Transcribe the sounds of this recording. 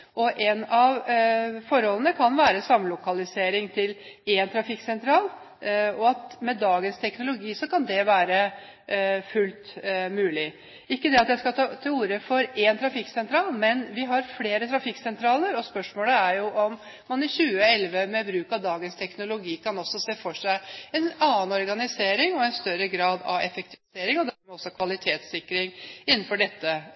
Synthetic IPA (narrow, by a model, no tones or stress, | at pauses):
ʔɔʔɛnɑʋfɔɾhɔlənəkʰɑnʋæːɾəsɑmlʊkɑlɪseːɾɪŋt̪ʰɪlɛnt̪ʰɾɑfɪkːsɛnt̪ʰɾɑːl | ɔɑt̪mɛd̪ɑːɡənst̪ʰɛknʊlʊɡiːsɔkɑnd̪ɛʋæːɾə | fʉlt̪mʉːlɪ | ɪkːəd̪ɛɑt̪jæɪskɑɑt̪ʰɪluːɾəfɔɾɛnt̪ʰɾɑfɪkːsɛnt̪ʰɾɑːlmɛnʋɪɦɑɾfleːɾət̪ʰɾɑfɪkːsɛnt̪ʰɾɑːləɾɔspœʂmoːləæɾjʊʔɔm | mɑnɪɕʉːəɛlʋəmɛbɾʉːkɑʋd̪ɑːɡənst̪ʰɛknʊlʊɡiːkɑnɔsɔseːfɔʂæɪɛnɑːənɔɾɡɑnɪseːɾɪŋɔɛnst̪œɾəɡɾɑːd̪ɑ̰ʋɛfɛk̚t̪ʰɪʋɪseːɾɪŋɔd̪ɛmɛɔsːɔkʰʋɑlɪt̪ʰeːt̪sɪkːɾɪŋɪnːnfɔɖɛt̪ːə